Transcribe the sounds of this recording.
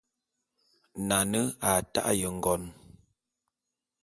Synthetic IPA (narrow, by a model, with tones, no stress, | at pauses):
na˨nə˦a˨ta̰˦ʔjə˨ŋ̩˦˨ɡɔ˨n